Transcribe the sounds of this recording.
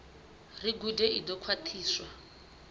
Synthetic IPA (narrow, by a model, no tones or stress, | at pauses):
riɡudɛʔidɔkʰwatʰiːswa